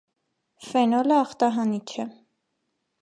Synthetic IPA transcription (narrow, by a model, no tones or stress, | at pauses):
fɛnɔləɑχt̪ɑɦɑnit͡ʃʰɛ